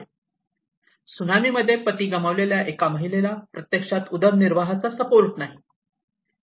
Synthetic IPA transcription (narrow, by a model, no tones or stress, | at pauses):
sunamiːməd̪ʱːjepət̪iːɡəməʋleljaʔekaməɦilelapɾət̪jekʂat̪ud̪əɾniɾʋaɦat͡sasəpoɾʈnaɦi